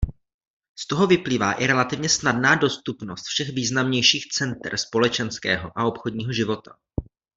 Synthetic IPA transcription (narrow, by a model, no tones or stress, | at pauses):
st̪o̞ɦo̞vɪpliːvaːʔɪɾɛlat̪ɪvɲɛsnadnaːdo̞st̪upno̞st̪fʃɛɣviːznamɲɛjʃiːxt͡sɛnt̪rspo̞lɛt͡ʃɛnskɛ̰ːɦo̞̰ʔao̞pxod̚ɲiːɦoʒɪvo̞t̪ḁ